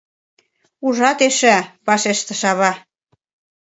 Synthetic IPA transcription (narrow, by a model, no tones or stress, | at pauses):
uʒɑt̪eʃæpɑʃeʃt̪ə̆ʃɑβɑ